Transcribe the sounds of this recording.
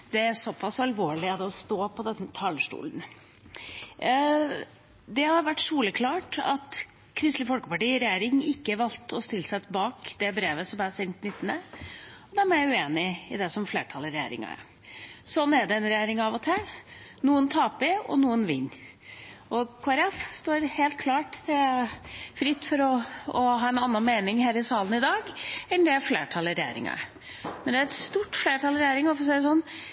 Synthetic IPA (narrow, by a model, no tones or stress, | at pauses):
d̪̥ɛæɾsɔpʰːɑsɑlʋoːɭɪɑd̪ɔst̪oːpʰɔd̪ɛnːət̪ʰɑlːəʂʈṵːlən | d̪ɛhɑɾʋæʈːʂuːləkʰlɑːʈɑ̰t̪ | kʰɾɪst̪lɪfɔlkəpɑʈiːɾɛjeːɾɪŋɪkːəʋɑlt̪ɔst̪ɪlːəsɛt̪bɑːkd̪̥ɛbɾeːʋəsɔmæsɛnt̪nɪt̪ːnəɔd̪ɛæmɛjæʉeːnɪɪd̪ɛsɔmfleːʈʰɑləɾɛjḛːɾɪ̰ŋɑ̰ | sɔnːæɖɛɛnɾɛjeːɾɪŋɑʋɔt̪ʰæːɾnuːənt̪ʰɑːpɪɔ̰nuːənʋɪ̰nː | ɔkʰɑɾɑfst̪oːɾheːlt̪̚kʰlɑːʈd̪ɛ | fɾɪt̪ːfɔɾɔɔɦɑːɛnɑnːɑnmeːnɪŋhæːɾɪsɑːlənɪd̪ɑːɡɛnd̪ɛæɾfleːʈʰɑlɾɛjḛːɾɪ̰ŋɑ̰ | mɛnd̪ɛæɾɛt̪st̪uːʈːfleːʈʰɑlɾɛjæːɾɪŋɔfɔɾsɛɪd̪ɛs̬ɔnː